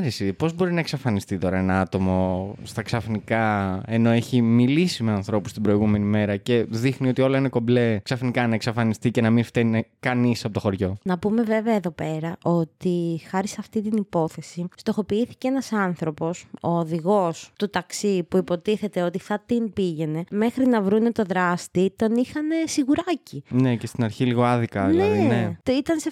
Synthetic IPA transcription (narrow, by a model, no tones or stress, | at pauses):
ɾesipo̞zbo̞ɾinɐeksɐfɐnist̪it̪o̞ɾɐenɐɐt̪o̞mo̞st̪ɐksɐfnikɐe̞no̞eçimilisimeɐnθɾo̞pust̪ibɾo̞iɣume̞nime̞ɾɐce̞ðixnio̞t̪io̞lɐineko̞ble̞ksɐfnikɐnɐeksɐfɐnist̪icenɐminft̪enekɐnisɐpot̪oxo̞ɾʝo̞nɐpume̞ve̞veɐeðo̞pe̞ɾɐʔo̞t̪ixɐɾisɐft̪it̪inipo̞θe̞sist̪o̞xo̞piiθi̥ceenɐsɐnθɾo̞po̞so̞ːðiɣo̞st̪ut̪ɐksipuipo̞t̪iθe̞t̪e̞o̞t̪iθɐt̪imbiʝe̞ne̞me̞xɾinɐvɾunet̪o̞ðɾɐst̪it̪o̞nixɐne̞siɣuɾɐcine̞cest̪inɐɾçiliɣo̞ɐðikɐneneit̪ɐnse